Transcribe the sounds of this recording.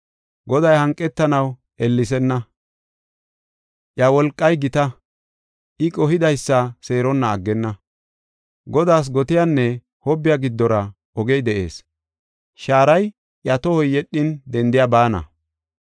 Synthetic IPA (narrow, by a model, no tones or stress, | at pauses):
ɡɔd̪ɐjhɐŋkʼːɛt̪ːɐnɐw | ɛlːɪsɛnːɐ | ʔjɐwɔlkʼːɐjɡɪt̪ɐ | ʔɪkʼɔɦɪd̪ɐjsːɐse̞ːɾɔnːɐːɡːɛnːɐ | ɡɔd̪aːs̬ɡɔt̪ɪjanːɛ | hɔbːɪjaɡɪd̪ːɔɾɐ | ɔɡɛjd̪ɛʔe̞̰ːs | ʃaːɾɐj | ʔjɐt̪ɔhɔjːɛɗːɪnd̪ɛnd̪ɪjabaːnɐ̰